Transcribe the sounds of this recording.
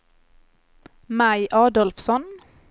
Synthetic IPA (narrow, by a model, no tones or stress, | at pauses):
mæɪʔɑːd̪ɔlfsɔn